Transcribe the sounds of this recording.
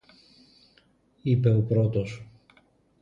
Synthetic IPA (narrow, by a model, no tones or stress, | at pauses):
ipe̞opɾot̪os